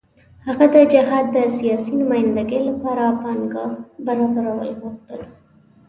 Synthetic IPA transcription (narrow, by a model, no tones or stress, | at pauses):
haɣad̪əd͡ʒɪɦɑd̪ːəsijɑsinʊmɑjɪnd̪aɡəjlapɑɾapɑnɡɑhbaɾɑbaɾawə̰lɣuxt̪əl